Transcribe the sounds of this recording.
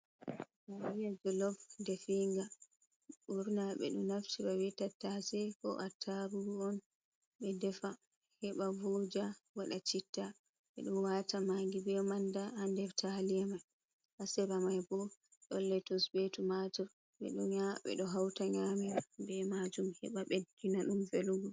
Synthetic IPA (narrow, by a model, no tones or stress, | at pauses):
bawijad͡ʒɔlɔfdɛfiŋɡa | ɓuɾnaɓɛ̰ɗumːaftiɾawitatːasɛkɔ̰ʔatʰaɾuɾuɔn | ɓɛdɛfa | hɛɓavod͡ʒawaɗat͡ʃitːa | ɓɛ̰ɗuwatʰamaŋɡibɛɔmandaandɛftʰaliamaj | ʔasɛbamajbɔɗɔlːɛtɔsbetumad͡ʒɔɾ | ɓɛ̰ɗuaɓɛ̰ɗɔɦawtaɲamɛɾabɛmad͡ʒumhɛ̰ɓaɓɛkinaɗumfeluɡɔ